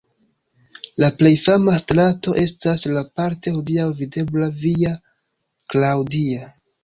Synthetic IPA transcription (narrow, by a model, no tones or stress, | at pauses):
laple̞jfamastɾato̞ʔe̞staslapaɾte̞hodiawvide̞blavia | klawdia